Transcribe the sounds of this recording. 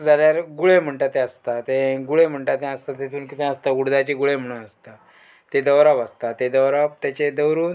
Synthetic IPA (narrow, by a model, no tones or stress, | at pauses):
d͡zaljaɾɡuɭem̤əɳʈat̪eəst̪at̪ẽɡuɭem̤əɳʈat̪ẽəst̪at̪et̪uːnkit̪ũəst̪aɡuɽd̪at͡ɕeɡuɭem̤əɽ̃uːnəst̪a | t̪ed̪əwɾapəst̪at̪ed̪əʋɾapt̪jat͡ɕed̪əwɾuːn